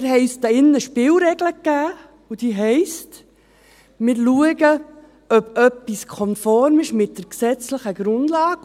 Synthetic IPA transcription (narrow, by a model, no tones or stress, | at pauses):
ɾɦɛɪst̪ɑɪnːəʃpɪːlɾɛɡləkːæː | ud̥̪iːɦɛɪst | mɪɾluəɡə | œbœpːiskʰɔnfɔɾmɪʃmɪt̚d̥əɾksɛt͡sləχəɡɾʊndlɑːɡ